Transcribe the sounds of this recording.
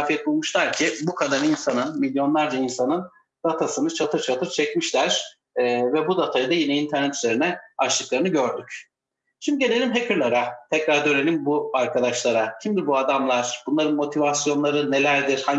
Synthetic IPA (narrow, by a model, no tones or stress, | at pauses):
fiɛt̪̚mamuʃlˠaɾcʰibukʰad̪aninsanɯnmilʲjo̞nlˠaɾd͡ʒainsanɯn | d̪̥at̪ʰasɯnɯt͡ʃʰat̪ʰɯɾt͡ʃʰat̪ʰɯɾt͡ʃʰɛcmiʃlʲæɾ̥ | vɛbud̪at̪ʰajɯd̪ajinɛint̪ʰæɾnɛt̪ʰyze̞ɾinɛat͡ʃlˠɯklˠaɾɯnɯɟøɾd̪yc | ʃimd̪iɟe̞lʲe̞lʲimɦepʰiɾlʲˠaɾat̪ʰɛcɾaɾd̪øɾenimbuaɾkʰad̪aʃlˠaɾacʰimd̪iɾbuad̪amlˠaɾ̥b̥unlˠaɾɯnmo̞t̪ʰivasjo̞nlˠaɾɯne̞lʲæɾd̪iɾ̥haɲ